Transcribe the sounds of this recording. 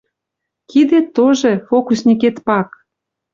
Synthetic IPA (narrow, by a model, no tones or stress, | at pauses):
kid̪et̪ːoʒefokusnʲiket̪pɑk